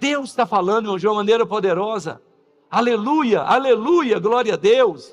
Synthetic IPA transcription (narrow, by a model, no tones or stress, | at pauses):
d̪̥ewst̪afalɐ̃nd̪ʊm̃ɐ̃d͡ʒumɐmɐ̃nejɾɐpod̪eɾɔzɐ̰ | alelujɐʔa̰lelujɐɡlɔɾiɐd̪ews